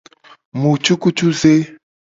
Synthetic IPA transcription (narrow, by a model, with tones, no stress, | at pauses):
mu˨t͡ʃu˦ku˦t͡ʃu˦ze˦